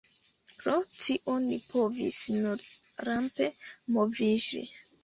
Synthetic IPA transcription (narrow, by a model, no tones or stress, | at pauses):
pɾotiʔonipʰovḭsnuɾ | ɾampe̞movid͡ʒḭ